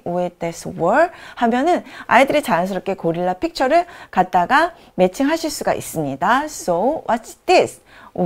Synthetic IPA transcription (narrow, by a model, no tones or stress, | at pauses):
uedeswʌɭhamjʌnɯna̰idɯɾit͡ɕajʌns̬ʰɯɾʌp̚k͈e̞koɾiɭːapʰik̚t͡ɕʰʌɾɯɭkat̚t͈aɡa | me̞t͡ɕʰɯŋɦaɕʰiɭs͈uɡa̰ʔḭs͈ɯmɲidasowʔʌtd̥is